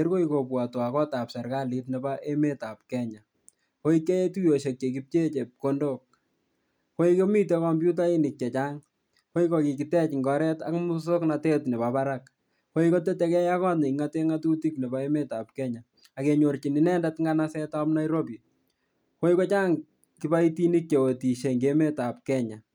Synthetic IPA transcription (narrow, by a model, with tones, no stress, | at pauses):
e˦ɾko˦iko˨pwa˨twa˨kɔ˦ta˨psɛ˨ɾka˦li˦tne˨baʔe˦me˦ta˨p̚kɛ˦ɲa˨ | ko˦ike˦je˦tu˦jo˨ʃe˨k̚t͡ʃe˨k̬i˦p̚t͡ʃe˦t͡ʃe˨p̚ko˦ndok̚ | ko˦ike˦mi˦t̬e˦kɔ˨mbju˦t̬a˦i˦ni˨k̚t͡ʃɛ˨t͡ʃa˦ŋ | ko˦ikɔ˨ki˨ki˨tɛ˦t͡ʃŋɡɔ˦ɾɛ˦ta̰˦kmu˦so˦kna˧te˦tne˨bapa˦ɾak | ko˦i˦ko˦t̬e˦te˨kɛ˦ja˦kɔ˦tne˨ŋate˦ŋatu˦ti˦kne˨ba˨eme˦ta˨p̚kɛ˦ɲa | a˨ke˨ɲo˨rt͡ʃi˨ni˨nɛ˦ndatŋɡa˦nasɛ˦tapna˦iɾo˦bi | ko˦i˦ko˦t͡ʃa˦ŋ | ki˨pa˦i˦ti˦ni˦k̚t͡ʃe˨wo˨ti˨ʃe˨ŋɡe˦me˦ta˨p̚kɛ˦ɲa˨